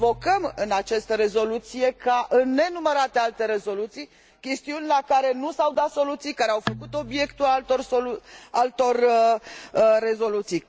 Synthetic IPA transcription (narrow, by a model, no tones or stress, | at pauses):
vo̞kəmɨnat͡ʃast̪əɾe̞zo̞lut̪sije̞kaʔɨnːe̞numəɾat̪ealt̪e̞ɾe̞zo̞lut̪sij | kʲe̞st̪iunʲlakaɾe̞nusawd̪at̪so̞lut̪sijkaɾeawfəkut̪o̞bije̞kt̪ulalt̪orsolualt̪o̞r | e̞zo̞lut̪sij